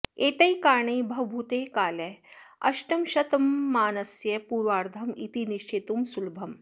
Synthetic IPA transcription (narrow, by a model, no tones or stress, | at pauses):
eːt̪ɐjkaːɳeːbʱɐwbʱut̪eːkaːleɐ̰ʃʈɐmʃɐt̪ɐmːaːnɐsjɐpuːɾʋaːɾd̪ʱɐmḭt̪iniʃt͡ʃet̪umsulbʱɐm